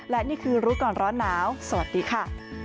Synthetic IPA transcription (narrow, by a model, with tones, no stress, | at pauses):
lɛ˦˥niː˥˩kʰɯː˧ɾuː˦˥kɔː˨˩nɾɔː˦˥nːaː˦˥wsa˧wa˨˩t̪̚diː˧kʰa˥˩